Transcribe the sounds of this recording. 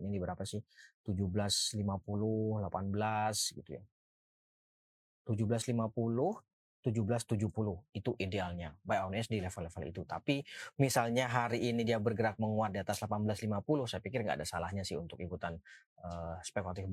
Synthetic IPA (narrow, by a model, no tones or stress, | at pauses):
nidibəɾapasɪht̪ud͡ʒuhbəlaslimapulʊhlapanbəlasɡit̪uja̰ | t̪ud͡ʒubəlaslimapulʊh | t̪ud͡ʒuhbəlast̪ud͡ʒuhpulʊhit̪uʔidealɲabajanɛsdilefəlːefəlḭt̪ut̪apimisalɲaɦaɾiːnidiabərɡəɾak̚məŋuat̪̚diat̪aslapanbəlaslimapulʊhsajapikɪrŋɡa̰ːdasalahɲasɪhṵnt̪ʊkikut̪anəspekulat̪ɪf